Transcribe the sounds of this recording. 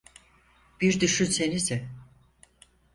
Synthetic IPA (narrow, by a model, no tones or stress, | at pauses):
b̥iɾd̪yʃynse̞nizɪ